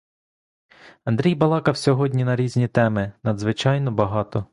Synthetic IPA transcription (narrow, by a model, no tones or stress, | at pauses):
ɐnd̪ɾʲijbɐlˠɑkɐwsʲɔɦɔdʲnʲinɐɾʲizʲnʲit̪ɛmɪnɐd̪zʋɪt͡ʃɑjnɔbɐɦɑt̪ɔ